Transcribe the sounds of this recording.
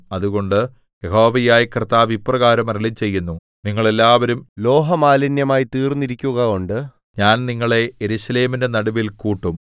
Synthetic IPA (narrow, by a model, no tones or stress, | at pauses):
ɐðuɣo̞ɳɖɨ | jeɦo̞ːʋɐjaːjikrɨt̪ːaːʋipːrɐɣaːɾɐmɐɾɐɭit͡ɕe̞jːunːu | niŋːɐɭe̞lːaːʋɐɾumlo̞ːɦɐmaːlɐnjɐmaːjit̪iːrniɾikʲːuɣɐoɳɖɨ | ɲaːnniŋːɐɭe̞jeɾuɕɐle̞ːmindenɐɽɐʋilkuːʈːum